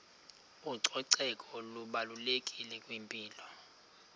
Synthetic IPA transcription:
uǀʰɔǀɛkʼɔluɓalulekʼilɛkʼwimpʼiːlɔ

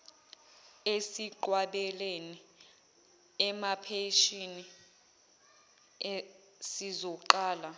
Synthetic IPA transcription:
esiǃwaɓɛleni | ɛmapʰeʃini | sizɔǃaːla

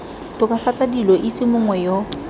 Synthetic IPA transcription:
tʼʊkʼafat͡sʼadilɔʔɪt͡sʼɪmʊŋwɛjo

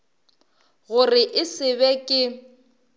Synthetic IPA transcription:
ɣʊrɪʔɪsɪβɛkʼɪ

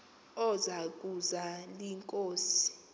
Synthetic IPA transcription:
ɔzak̬ʼuzaliŋkʼoːsi̥

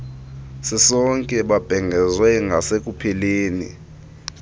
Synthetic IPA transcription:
sɛsɔŋkʼɛɓab̥ʱɛŋɡʱɛzwɛŋɡʱasek̬ʼupʰɛleːnḭ

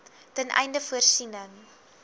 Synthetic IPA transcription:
tənʔɛ̰jndəfuərsinəŋ

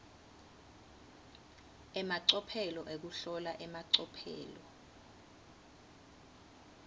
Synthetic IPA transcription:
ɛmaǀɔpʰɛlɔʔek̬uɬɔlaʔɛmaǀɔpʰɛ̰ːlɔ

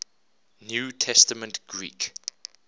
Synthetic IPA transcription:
njuːtʰɛstəmə̃ntɡ̥ɹḭːˑk

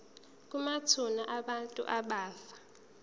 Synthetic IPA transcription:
k̬ʼumatʰunaʔaɓantʼṵʔaɓaːfḁ

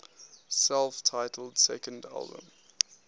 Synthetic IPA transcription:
sɛlˠftʰaɪtʰəl̩ˠd̥sɛkə̃nda̰lˠbə̰̃m

